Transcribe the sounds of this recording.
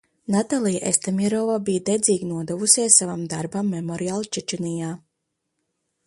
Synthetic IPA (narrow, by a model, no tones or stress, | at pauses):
nat̪alˠijaʔest̪amiɾɔvabijd̪ɛd̪zʲiːɡnuɔd̪ɛvusiɛsːavamd̪aɾbamːemɔɾialˠt͡ʃɛt͡ʃɛnijaː